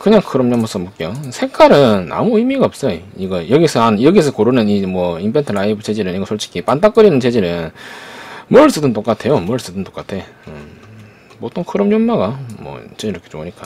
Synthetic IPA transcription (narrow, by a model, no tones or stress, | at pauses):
kɯɲaŋkʰɯɾʌmɲʌmas͈ʌmɯk͈ejosʰe̞kʰaɾɯna̰muimiɡaʌp̚s͈ʌjoiɡʌjʌɡiesʰʌanjʌɡies̬ʰʌkoɾunɯnimwʌimbʰentʰɯɾaibɯt͡ɕed͡ʑiɾɯniɡʌsʰoɭt͡ɕ͈ʰi̥kʰipant͈ak͈ɯɾinɯnt͡ɕe̞d͡ʑiɾɯn | mɯɭs͈ɯdɯnt͈ok͈atʰe̞jomɯɭs͈ɯdɯnt͈o̥k͈atʰe̞ɯ | pot͈ʰoŋkʰɯɾʌmɲʌmːaɡamwʌ̰t͡ɕ͈eiɾʌkʰet͡ɕo̰uɲik͈a